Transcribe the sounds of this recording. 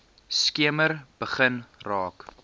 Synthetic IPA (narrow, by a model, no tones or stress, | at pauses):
skiəmərb̥əχənrɑːk